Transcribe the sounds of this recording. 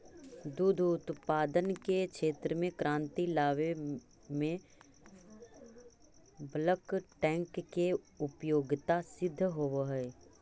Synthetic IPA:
d̪uːd̪ʱʊt̪paːd̪ənkekʃeːt̪ɾəmẽkɾãːnt̪ilaːʋe | mẽ | bləkʈɛ̃ːŋkːe | ʊpjoːɡt̪asɪd̪ʱːəɦooɦɛː

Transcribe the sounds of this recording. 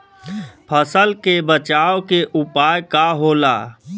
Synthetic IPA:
pʰəsəlkebət͡ʃaːokeʔʊpaːjkaɦoːla̰ː

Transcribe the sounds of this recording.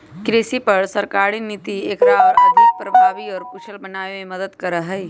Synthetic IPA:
kɾeːsipɐɾsəɾkaːɾinit̪ieːkɾaːʋɾəd̪ʱik̚pɾɐbʱaːʋiɔːɾpʊt͡ʃʰəlbənaːemẽmɐd̪əd̪kəɾəɦɛi

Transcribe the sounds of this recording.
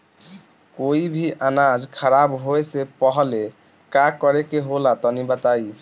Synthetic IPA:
koibʱiʔanad͡ʒkʰɔɾabɦoesepɔɦɔle | kakɔɾekeɦolat̪ɔnibat̪aj

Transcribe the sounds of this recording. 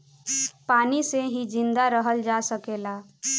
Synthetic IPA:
paniseɦid͡ʒind̪aɾəɦəld͡ʒasəkela

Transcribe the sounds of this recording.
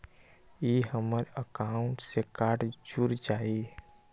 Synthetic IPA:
jeɦəməɾəkaːʊ̃ɳʈsekaːʈd͡ʒuɾd͡ʒaːe

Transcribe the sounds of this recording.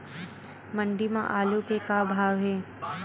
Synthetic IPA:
mə̃ɳɖimã̰ʔaːlukekabʱaːʋɦeː

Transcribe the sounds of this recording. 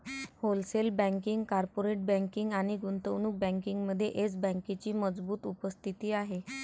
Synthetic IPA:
holselbə̃ŋkiŋɡkaɾpoɾeʈ̚bə̃ŋkiŋɡaɽ̃iɡunt̪əwnuːk̚bə̃ŋkiŋɡməd̪ʱːjeʔet͡sbə̃ŋket͡ɕiːməd͡zbuːt̪upəst̪ʰit̪iːaɦe

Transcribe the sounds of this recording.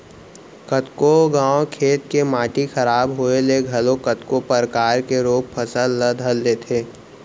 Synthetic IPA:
kət̪koɡãːokʰeːt̪kemaːʈixɐɾaːbɦoeleɡʱɐlõkət̪kopəɾkaːɾkeɾoːk̚pʰɐsəlːəd̪ʱəlːeːt̪ʰeː

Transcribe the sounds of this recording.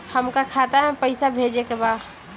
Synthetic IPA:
həmkakʰat̪aɦɛ̃pəɪsabʱed͡ʒekebaːd̪

